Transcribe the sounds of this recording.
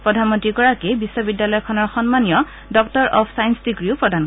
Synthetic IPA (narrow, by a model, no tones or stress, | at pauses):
pɹɔdʱanmɔntɹikɔɹakebisːɔbidjalɔjɔkʰɔnɔɹxɔnmanijɔ | dɔktɔɹʔɔpʰsajnsdiɡɹiʊpɹɔdʱan